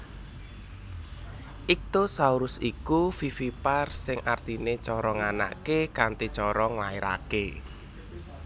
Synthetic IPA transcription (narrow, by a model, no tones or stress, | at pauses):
ʔik̚t̪osauɾʊsikufifiparsɪŋʔart̪inet͡ʃɔɾɔŋana̰ʔkekant̪it͡ʃɔɾɔŋlaeɾa̰ke